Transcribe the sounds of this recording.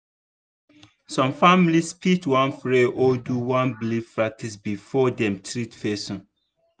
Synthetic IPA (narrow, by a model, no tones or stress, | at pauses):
sɔ̃mfamlispitwãnfɹeʔɔduwãnblifɹak̚tʰisbifɔdɛ̃mtʰɹitfɛsɔ̃n